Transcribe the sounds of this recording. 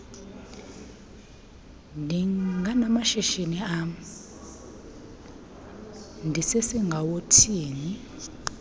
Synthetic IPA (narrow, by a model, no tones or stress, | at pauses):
ndʱiŋɡanamaʃɛʃeniam | ndʱisesiŋɡʱawotʰiːni